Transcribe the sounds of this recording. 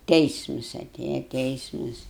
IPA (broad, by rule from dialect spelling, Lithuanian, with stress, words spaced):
ˈtʲɛɪsmʊs ɐˈtʲeːjɛ ˈtʲɛɪsmʊs